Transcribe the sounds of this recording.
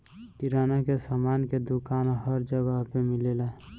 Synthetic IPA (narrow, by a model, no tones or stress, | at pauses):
t̪iɾanakesamanked̪ukanɦəɾd͡ʒəɡəɦpemilela